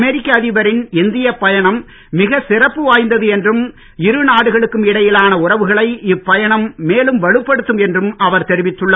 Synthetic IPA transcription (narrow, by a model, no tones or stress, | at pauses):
mɛɾɪkːɐːðɪʋɐɾɪnɪnd̪ɪjɐpːɐjɐɳɐmː | ɪɣɐsɪrɐpːɯʋaːjnd̪ɐðɯɛndrɯm | ɪɾɯnaːɽɯɣɐɭɯkːɯmɪɽɐjɪlaːnɐʊrɐʋɯɣɐɭɐɪɪpːɐjɐɳɐmːeːlɯmʋɐɭɯpːɐɽɯt̪ːɯmɛndrɯmɐʋɐɾt̪ɛɾɪʋɪt̪ːɯɭːɐ